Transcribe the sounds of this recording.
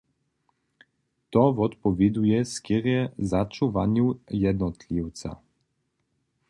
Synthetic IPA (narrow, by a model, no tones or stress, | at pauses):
t̪ɔvɔt̪pɔvʲid̪ujɛskiɾjɛzat͡ʃuvaɲujɛd̪nɔt̪lʲiwt̪sa̰